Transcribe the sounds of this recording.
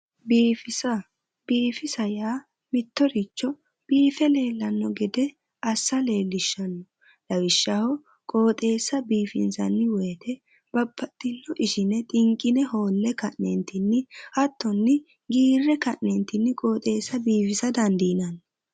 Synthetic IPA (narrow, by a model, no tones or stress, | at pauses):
biːfɪsɐ | b̥iːfɪsɐjaː | mɪt̪ːɔɾɪt͡ʃːɔ | b̥iːfɛle̞ːlːɐnːɔɡɛd̪ɛ | ɐsːɐle̞ːlːɪʃːɐnːɔ | lɐwɪʃːahɔ | kʼo̞ːt̪ʼe̞ːsːɐbiːfɪnsɐnːɪwɔjt̪ʰɛ | b̥ɐbːɐt̪ːɪnːɔʔɪʃɪnɛt̪ʼɪŋkʼːɪnɛho̞ːlːɛkɐʔnent̪ɪnːɪhɐt̪ːɔnːɪ | ɡiːrːɛkɐʔnɛnt̪ɪnːɪkʼo̞ːt̪ʼe̞ːsːɐbiːfɪsɐd̪ɐnd̪inɐn